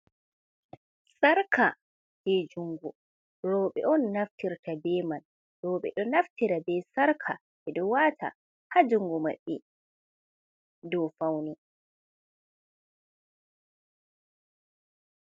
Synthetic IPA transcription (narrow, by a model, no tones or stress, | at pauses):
saɾkʰa | d͡ʒed͡ʒuŋɡɔ | ɾɔːɓɛ̰ʔɔnːaftiɾtʰabɛːman | ɾɔːɓɛ̰ɗɔnaftiɾabɛsaɾkʰa | ʔɛɗɔwatʰa̰ | had͡ʒuŋɡɔma̰ɓːɛ | dɔfawni